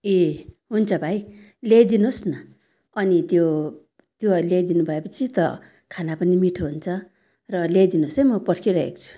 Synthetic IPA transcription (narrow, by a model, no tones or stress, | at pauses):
eɦunt͡sʰʌbʱaj | lejd̪inosnʌ | ʌnit̪jo | t̪joʌlejd̪inubʱʌepʌt͡sʰit̪ʌ̰ | kʰanapʌnimiʈʰoɦunt͡sʰʌ | rʌlejd̪inosʌjmʌpʌrkʰiɾʌḛkt͡sʰu̥